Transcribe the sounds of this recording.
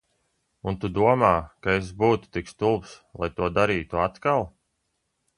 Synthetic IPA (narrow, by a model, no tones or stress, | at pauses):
unt̪ud̪uɔmaːkaes̬buːt̪u̥t̪ikst̪ulˠpslˠa̰jt̪uɔd̪aɾiːt̪uat̪kalˠ